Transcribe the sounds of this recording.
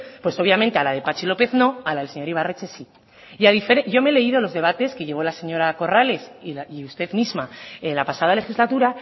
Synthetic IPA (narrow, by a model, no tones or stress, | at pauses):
pwe̞so̞β̞jamẽnt̪e̞alað̞e̞pat͡ʃilo̞pe̞θno̞alaðelse̞ɲo̞ɾiβ̞aret͡ʃe̞si | jaðifeɾeʝo̞me̞le̞iðo̞lo̞zðe̞β̞at̪e̞ske̞ʝe̞β̞o̞lase̞ɲo̞ɾako̞rale̞siliust̪e̞ðmizmaenlapasað̞ale̞xizlat̪uɾa